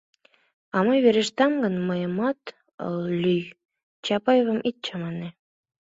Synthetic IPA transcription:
ɑmɤjβeɾeʃt̪ɑmɡənməjəmɑt̪ | ə̰llyj | t͡ɕɑpɑjevə̆mʔit̪̚t͡ɕɑmɑne

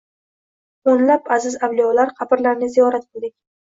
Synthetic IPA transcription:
onlapazɪzawlijɒlaɾqʰɑpɪɾlaɾnɪzijɒɾat̪̚qʰɨlˠd̪ɪk̚ʲ

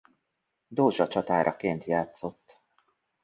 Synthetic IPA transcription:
d̪oːʒɒt͡ʃɒt̪aːɾʔɒkeːnt̪jaːt̪so̞t̪ː

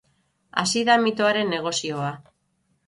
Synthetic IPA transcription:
a̰siðamit̪oaɾe̞nːe̞ɣ̞o̞sio̞a

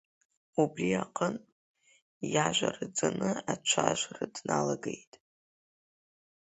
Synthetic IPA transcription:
ubriaqʼən | jaʒʷarɨd͡zanɨat͡ʃʷʰaʒʷradnalaɡejtʼ

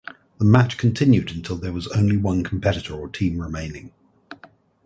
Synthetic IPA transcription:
ðəmat͡ʃkʰə̃ntʰɪ̃njʉdə̃ntʰɪlˠðəwɒzə̃ʊ̃nliwʌ̃nkʰə̃mpʰɛɾɪtəɹətʰĩːmɹɪmẽɪ̃nɪ̰̃ŋ

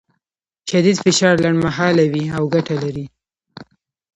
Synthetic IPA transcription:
ʃad̪id̪fɪʃɑɾlaɳɖmaɦɑlawiawɡaʈalaɾi

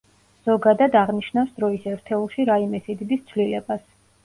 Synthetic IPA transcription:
z̥ɔɡad̪ad̪aʁniʃnafsd̪ɾɔisɛɾt̪ʰɛulˠʃiɾaimɛsid̪ib̪ist̪sʰvlilɛbas

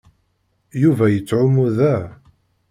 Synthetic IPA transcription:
juvæjət͡sːʕʊmuðæ

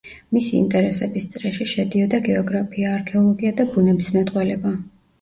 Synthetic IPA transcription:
misiḭnt̪ʼɛɾɛsɛbist̪sʼɾɛʃiʃɛd̪iɔd̪aɡɛɔɡɾapʰiaːɾkʰɛɔlˠɔɡiad̪abunɛbismɛt̪ʼqʼwɛlɛba

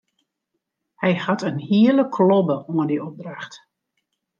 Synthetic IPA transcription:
hɛjhatənhiələkʰlɔbəoədiɔp̚draxt

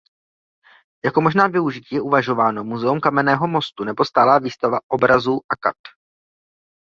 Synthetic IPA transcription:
jako̞mo̞ʒnaːvɪuʒɪciːjɛʔuvaʒo̞vaːno̞muzɛumkamɛnɛːɦo̞mo̞st̪unɛbo̞st̪aːlaːviːst̪avaʔo̞bɾazuːʔakat̪

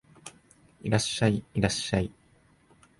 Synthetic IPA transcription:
iɾaɕːaiiɾaɕːai

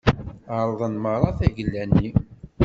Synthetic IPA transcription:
əɾˤəðˤənməɾˤɑθæʝəlːænːi

